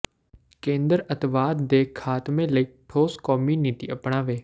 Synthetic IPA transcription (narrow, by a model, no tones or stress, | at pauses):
kẽːnd̪əɾɐt̪ʋaːd̪d̪eːkʰːaːt̪mẽləik̚ʈʰoːskɔːmjuːnit̪iɐpɳ̃aːʋeː